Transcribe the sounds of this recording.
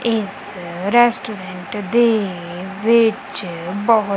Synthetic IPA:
ɪs | ɾɛsʈuːɾeɳʈd̪e | ʋɪt͡ʃbɔɦʊ

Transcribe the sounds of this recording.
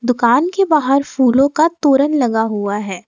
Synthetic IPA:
d̪ʊkaːnkebaːɦəɾfuːlõkat̪oːɾənlɐɡaɦuaɦɛː

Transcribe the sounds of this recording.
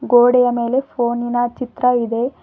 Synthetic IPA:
ɡoːɽɛjɐme̞ːle̞pʰoːninɐt͡ʃit̪ɾɐid̪e̞

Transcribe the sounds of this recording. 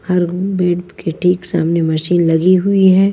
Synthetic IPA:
hɐɾbɛːɽt̪keʈʰiːksa̰ːmnemɐʃiːnlɐɡiɦʊiɦɛː

